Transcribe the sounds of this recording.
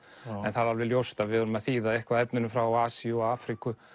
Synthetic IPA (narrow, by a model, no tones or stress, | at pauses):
ɛnθaðalvɪljowst̪aðvɪðɔɾʏmɛaðθiːðaðɛhkvaðɛpnʏnʏfɾawaaːsiʏɔaːfɾikʏ